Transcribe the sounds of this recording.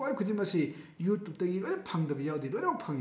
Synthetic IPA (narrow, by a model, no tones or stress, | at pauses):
wajkʰudimɐsi | jutːuk̚tɐɡilojɾapʰaŋdɐbɐjawdilojɾapʰaŋ